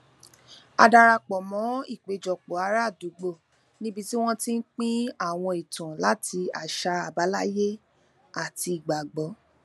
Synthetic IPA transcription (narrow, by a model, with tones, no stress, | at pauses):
a̰˧da˧ɾa˧k͡pɔ˨mɔ̃˨˦i˦˨k͡pe˨d͡ʒɔ˨k͡pɔ˨˦a˧˦ɾa˦˨du˨˦ɡ͡bo˦˨ | nĩ˦bi˧ti˦w̃ɔ̃˦tĩ˦n̩˦k͡pĩ˦a˦˨w̃ɔ̃˧i˨tã˨la˦ti˧a˨ʃa˧a˨ba˨˦la˦je˦ | a˨ti˧i˨ɡ͡ba˨ɡ͡bɔ˨˦